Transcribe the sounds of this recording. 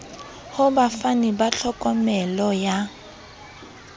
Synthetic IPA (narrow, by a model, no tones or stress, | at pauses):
hʊbafanibaɬʰɔkʼɔmɛlɔja